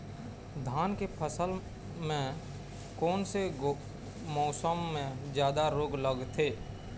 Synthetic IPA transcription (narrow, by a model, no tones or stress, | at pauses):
d̪ʱaːnkepʰəsəl | mẽ | kɔːnse | mɔːsəmːẽzjaːd̪aɾoːɡləɡt̪ʰeː